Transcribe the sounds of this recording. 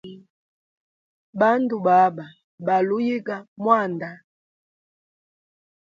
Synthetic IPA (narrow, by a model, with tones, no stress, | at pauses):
ba˦ndu˨ba˨˦ba˨ | ba˨lu˦ji˦ɡa˨mwa˦˨nda˨